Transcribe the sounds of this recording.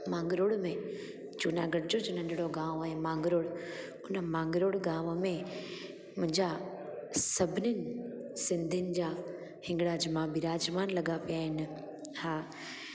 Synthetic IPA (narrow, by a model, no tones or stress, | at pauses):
mãːŋɡɾoɽmẽ | d͡ʑuːnaɡɐɾɪd͡ʑod͡ʑonɐ̃ɳɖʱɪɽoɡãːʋɛ̃ːmãːŋɡɾoːɽ | ʊnə̆mãːŋɡɾoːɽɡãːʋəmẽ | mʊ̃ɦɪ̃ɲd͡ʑa | sɐbʱɪnənɪ̆sɪ̃nd̪ʱiənɪ̆d͡ʑaː | hɪ̃ŋɡɽaːd͡ʑmãbɪɾaːd͡ʑmaːnlɐɠapijaːɦɪn | haː